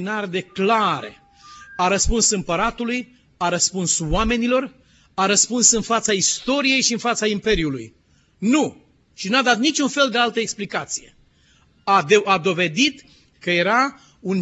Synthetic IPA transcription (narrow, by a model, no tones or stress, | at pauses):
inard̪e̞klaɾḛ | aɾəspunsɨmpəɾat̪uluj | aɾəspunswame̞nilo̞r | aɾəspunsɨnfat̪saist̪o̞ɾije̞jʃiɨnfat̪saimpe̞ɾiulṵj | nu | ʃinad̪at̪̚nit͡ʃunfe̞ld̪e̞alt̪əeksplikat̪sije̞̰ | aad̪o̞ve̞d̪it̪ | kəje̞ɾa | un